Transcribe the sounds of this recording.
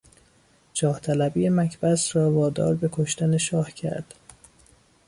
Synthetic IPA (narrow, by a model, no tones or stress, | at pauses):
d͡ʒɒːht̪ʰælæbiːjemæcʰbæsrɒːvɒːd̪ɒ̰ːɾbe̞kʰoʃt̪æne̞ʃɒːhcʰæ̰ɾd̪̥